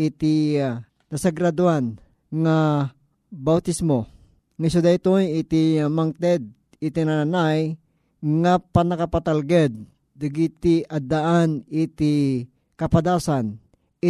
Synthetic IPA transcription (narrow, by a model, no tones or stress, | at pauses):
ɪt̪i | nɐsaɡɾad̪uan | ŋa | bawt̪ismo | ŋasud̪ajt̪ojɪt̪imaŋt̪ɛd̪̚ | ɪt̪inananaj | ŋapanakapat̪alɡɛd̪̚ː | ɪɡit̪iʔad̪aʔanɪt̪i | kɐpad̪asan | ɪ